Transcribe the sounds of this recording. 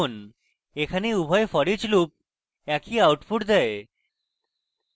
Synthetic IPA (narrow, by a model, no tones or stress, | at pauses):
on | ekʰaneubʱɔefɔɽid͡ʑlup̚ | ɛkiawʈpʰuʈd̪ɛe